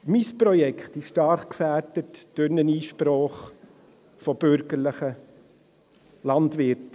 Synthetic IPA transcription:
mispɾɔjɛkχtɪʃʃtɑɾχkfæɾdətd̥øɾnəniːʃpɾɔːχ | fɔb̥ʏɾɡəɾləχə | lɑndʋɪɾt

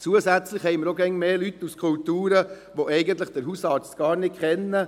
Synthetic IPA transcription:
t͡suəsæt͡sləχhɛɪməɾoɡɛŋmeːlyt̪ːuskʰʊlt̪uːɾə | ʋoʔɛɪɡənt̪ləχd̥əɾɦusɑːɾt͡stɡ̥ɑːɾnɪkkʰχɛnːə

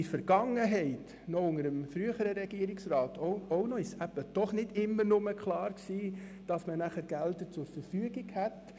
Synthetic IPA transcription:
ifəɾɡ̥ɑŋːəɦɛɪt | nɔʊŋəɾəmfɾyəχəɾəɾɛɡiəɾɪksrɑːtoɔʊnɔisæbəd̥ɔχnɪdɪmːənʊməkχlɑːɾksiːd̥ɑsmənæχəɾɡ̥ældət͡sʊɾfəɾfyəɡiɡhɛt

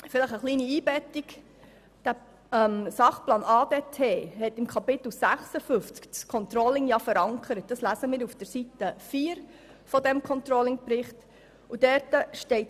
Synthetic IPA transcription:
fɪləχəχliːniiːbɛtɪk | d̥æ | msɑχplɑːnɑːdeːtʰeːhɛtɪmkʰɑpɪt̪l̩sæχsəfʏft͡skkʰɔnt̪ɾɔlɪŋjɑfəɾɑŋkʰəɾət̚d̥ɑslæsəmɪːɾufd̥əɾsitəfiːɾ | fɔdɛmkʰɔnt̪ɾɔlɪŋpɾɪχt | udɛɾtəʃtɛɪt

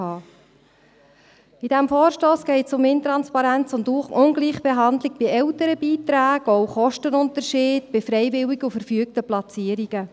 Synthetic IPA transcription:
ɑː | id̥æmfɔːɾʃtoːsɡ̥ɛɪtsʊmɪnt̪ɾɑnspɑɾænt͡sʊnduχʊnɡliːχb̥eɦɑnd̪lɪk̚b̥ɪɛwtəɾəbiːtɾæːɡ̥ɔwχɔʃtənʊntəɾʃiːdb̥ɪfɾɛɪvɪliɡufəɾfyək̚təplɑt͡siːəɾiɡ̥ə

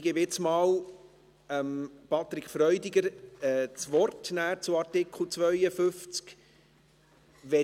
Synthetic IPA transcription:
ɡ̥ɪbɪt͡smɑːw | ɛmpɑt̪ɾɪkʰfɾœʏdɪɡəɾɛt͡sʋɔrtnæːɾt͡suɑɾtɪkʰχl̩ˠt͡sʋœʏəfʏft͡sk | ʋɛ

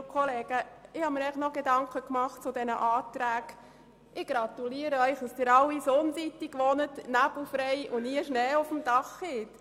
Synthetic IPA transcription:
kʰɔleːɡ̥əɪhɑmiːɾɛɪχnɔɡ̥edɑŋkəkmɑχt̚t͡sʊdɛnə̰ʔɑːtɾæːɡ | ʔɪɡ̥ɾɑt̪uliəɾəœʏχd̥ɑsd̥ɪɾɑwisonsitːiɡʋɔnətnæb̥l̩fɾɛɪʊniəʃnɛːʊfəmdɑχhɪt

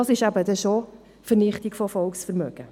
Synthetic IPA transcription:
ɑsɪʃæbədɛʃo | fəɾnɪχtiɡfofɔlksfəɾmœɡ̥ə

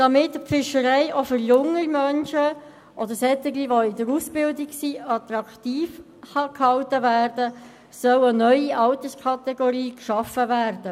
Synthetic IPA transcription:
d̥ɑmɪtfɪʃəɾɛɪʔofʏɾjʊŋəmœnʃə | ʔɔd̪əɾsɛt̪əɡliʋoɪdəɾusbɪldɪksiːɑt̪ɾɑkt̪iːf | hɑkhɑwtəvæːrdə | sœwənœʏiʔɑʊtəskʰɑtɛɡɔɾiːkʃɑfəvæːrdə

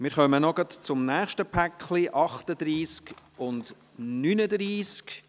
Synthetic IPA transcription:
mɪːɾχœmənɔɡ̥ɑtt͡sʊmnæːχʃtəpʰækχliʔɑχtəd̪ɾiːskʊnd | nynədriːsk

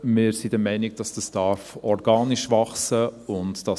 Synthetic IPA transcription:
mɪːɾsidəmɛɪnɪɡ̚d̥ɑsd̥ɑsd̥ɑɾfɔɾɡɑːniʃʋɑχsəʊntd̥ɑ

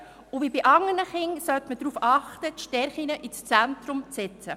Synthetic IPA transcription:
ʊvibiʔɑŋənəχɪŋsœt̪məd̥ɾuːfɑχt̪ətʃtɛɾχinəʔist͡sæntɾʊmt͡sɛt͡sə

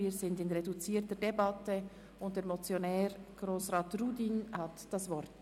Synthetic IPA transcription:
iːzɪndɪnʁedut͡siːɾtəɾdebɑtə | ʊnt̚d̥ɛːɐɾmɔt͡sjonɛːɾɡ̥roːsʁaːtruːdiːnhɑtd̥ɑsvɔɾt

